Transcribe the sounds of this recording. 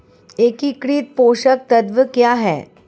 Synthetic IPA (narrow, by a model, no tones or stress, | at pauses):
ekikɽiːt̪̚poɕək̚t̪əd̪ʋəkjaɦɛ̰